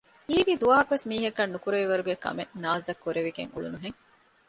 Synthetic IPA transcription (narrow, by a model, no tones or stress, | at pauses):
iːʋid̪uʋaːɦɐkuʋesmiːɦɐkɐnːukuɾeʋiʋɐɾuɡekɐ̰menaːzɐkːuɾeʋiɡḛŋṵɭṵnuɦeŋ